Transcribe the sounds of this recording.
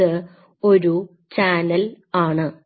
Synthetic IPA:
ɨ | o̞ɾu | t͡ɕaːnɐl | aːɳɨ

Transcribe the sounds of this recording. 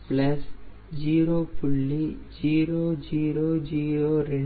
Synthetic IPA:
plɐs | d͡ʒiːɾopʊlːid͡ʒiːɾod͡ʒiːɾod͡ʒiːɾoɾɪ

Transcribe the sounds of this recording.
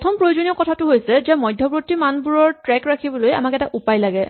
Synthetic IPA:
tʰɔmpɹojozoniɔkɔtʰatʊɦojsɛzɛmɔjdʱjɔpotːimanpuɹɔɹtɹɛkɹakʰibɔloja̰makɛtaʔupajlaɡɛ

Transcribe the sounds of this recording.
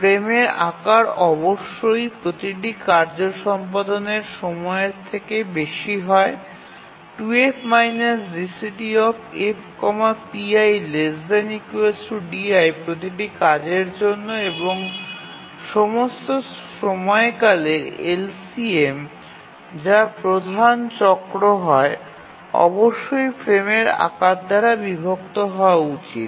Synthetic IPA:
pɾemeɾakaɾɔboʃːojpɾot̪iʈikaɾd͡ʑoʃɔmp̬ad̪oneɾʃɔmɔeɾt̪ʰekebeʃiɦɔe | ʈuepʰmajnasɖisiʈiɔfʰepkɔmapiajlezd̪anikuesuɖiajpɾot̪iɖikad͡ʑeɾd͡ʑonːoeboŋ | ʃɔmost̪oʃɔmɔekaleɾelsiem | d͡ʑapɾod̪ʱant͡ɕɔkɾoɦɔe | ɔ̰boʃːojfɾemeɾa̰kad̪ːaɾabibʱokt̪oɦɔoaut͡ɕḭt̪̚

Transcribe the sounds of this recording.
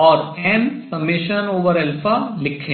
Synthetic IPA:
ɔːɾɛ̃ːnsəmːɪʃənoːʋəɾɛlfalɪkʰẽ

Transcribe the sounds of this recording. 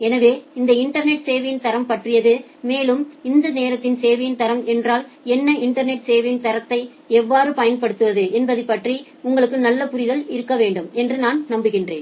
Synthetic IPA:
ɛnɐʋeːɪnd̪ɐɪɳʈɐɾnɛʈseːʋɐjɪnt̪ɐɾɐmpɐʈrɪjɐðɯ | meːlɯmɪnd̪ɐneːɾɐt̪ːɪnseːʋɐjɪnt̪ɐɾɐmɛndraːlɛnːɐɪɳʈɐɾnɛʈseːʋɐjɪnt̪ɐɾɐt̪ːɐɪ | ɛʋːaːɾɯpɐjɐnpɐɽɯt̪ːɯʋɐðɯʔɛnbɐðɐɪpːɐʈri | ʊŋɡɐɭɯkːɯnɐlːɐpʊɾɪðɐlɪɾɯkːɐʋeːɳɖɯmɛndrɯnaːnnɐmbɯɣɪndrḛːn

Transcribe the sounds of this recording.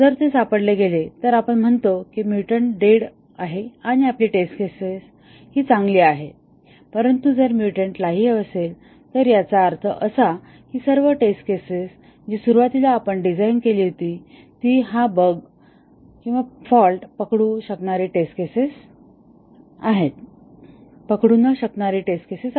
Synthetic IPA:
d͡zəɾt̪esapəɽleɡelet̪əɾapəɳm̤əɳt̪okimjuʈəɳʈɖeɽ | aɦeaɽ̃iapliːʈesʈkeses | ɦiːt͡saŋɡliːaɦe | pəɾənt̪ud͡zəɾmjuʈəɳʈlaɦiːeəsel | t̪əɾjat͡saːɾt̪ʰəʔəsa | hiːsəɾʋəʈesʈkeses | d͡ʑisuɾuʋat̪ilaːpəɳɖid͡zainkeliːɦot̪iː | t̪iːɦabəɡ | kĩw̃ʋafɔlʈpəkɽũɕəkɳaɾiːʈesʈkeses | aɦet̪ | pəkɽunəɕəkɳaɾiʈesʈkeses

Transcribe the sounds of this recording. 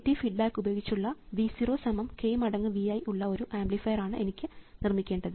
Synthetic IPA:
ʈːifiːɖ̚baːkːubɐjo̞ːɡit͡ɕːuɭːɐʋisiroːsɐmɐmkeːmɐɽɐŋːɨʋijajiʔuɭːɐo̞ɾuʔaːmbɭifɐjɐraːɳɨe̞nikʲːɨnirmikʲːeːɳɖɐðɨ

